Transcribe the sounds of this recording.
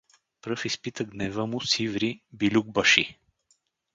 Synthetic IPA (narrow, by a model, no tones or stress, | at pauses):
pɾɤfispit̪əɡ̪nɛvəmʊsivɾibilʲuɡ̚bɐʃi